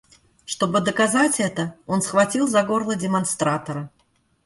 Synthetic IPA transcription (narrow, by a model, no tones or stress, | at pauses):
ʂt̪obɨd̪əkazat͡sʲɛt̪əonsxvat͡sʲilˠzaɡorlˠədʲɪmanst̪ɾat̪ɐɾɐ